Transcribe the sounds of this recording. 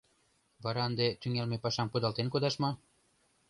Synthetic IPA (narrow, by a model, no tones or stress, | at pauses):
βɑɾɑənd̪et̪yŋelmepɑʃɑmpud̪ɑlt̪enkod̪ɑʃmɑ